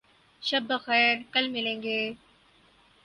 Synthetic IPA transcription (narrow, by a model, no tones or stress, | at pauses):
ʃɐbːəxɛːɾkɐlmɪlẽːŋɡeː